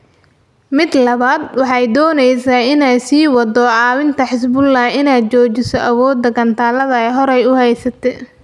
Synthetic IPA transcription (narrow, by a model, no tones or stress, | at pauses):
mɪd̪lɐβaːd̪wɑħɑjd̪ɔːnɛjsaːɪnɛjsiːwɑd̪ɔʕɑːwɪnt̪ʰɐħɪs̬bʊlːɐːɪnaːd̪̚t͡ʃɔːt͡ʃɪsɔʔɐwɔːd̪ːɐɡɐnt̪ʰaːlɐðɐɛjɦɔɾɛjʊhɛjsɐt̪ʰɛ